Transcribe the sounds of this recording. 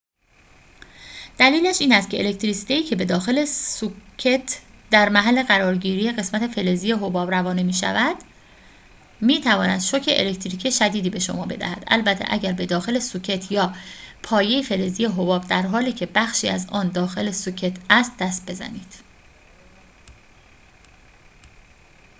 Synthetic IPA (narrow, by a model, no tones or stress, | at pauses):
d̪̥æliːlæʃiːnæst̪cʰe̞elekt̪ɾisit̪eiːcʰe̞be̞d̪ɒːxe̞le̞sucʰet̪ʰd̪̥æɾmæɦælːe̞ɣæɾɒːɾɟiːɾiːje̞ɣe̞smæt̪ʰe̞fe̞lezijeɦo̞bɒːbɾævɒːnemiːʃæ̰væd̪̥ | miːt̪ʰævɒːnæd̪̥ʃo̞cʰeʔḛle̞kt̪ʰɾiːcʰieʃæd̪iːd̪iːbe̞ʃo̞̰mɒːbe̞̰d̪æ̰hæ̰d̪̥ʔæ̰lbæt̪ʰe̞̰ʔæ̰ɟæɾbe̞d̪ɒːxe̞le̞sucʰe̞t̪ʰjɒːpʰɒːje̞jefe̞le̞zijeɦobɒːbd̪æɾɦɒːliːcʰe̞bæxʃiːæzɒːnd̪ɒːxe̞le̞sucʰe̞t̪ʰæst̪̚d̪æst̪̚be̞zæ̰niːd̪̥